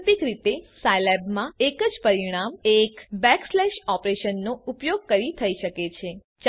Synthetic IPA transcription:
pikɾit̪esajlɛbmãekəd͡ʒpəɾiɽ̃amekbɛkslɛʃɔpɾeʃənːoupjoɡ̚kəɾit̪ʰəiʃəket͡ʃʰe | t͡ʃ

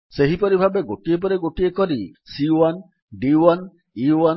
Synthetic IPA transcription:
seɦipoɾibʱabeɡoʈiep̬ɔɾiɡoʈiekɔɾisiwan | ɖiwan | ia

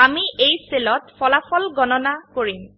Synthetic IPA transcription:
amiejselɔtfʰɔlafʰɔlɡɔnɔnakoɹim

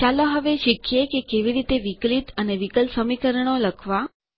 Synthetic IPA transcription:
t͡ʃaloɦəʋeʃikʰjekekeʋiɾit̪eʋiklit̪əneʋikəlsəmikəɾəɳ̃oləkʰʋa

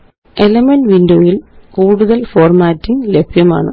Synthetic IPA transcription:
elɐmɐnʋindoːjilkuːɽuðɐlfo̞ːrmaːtːiŋlebʱjɐma̰ːɳɨ̰

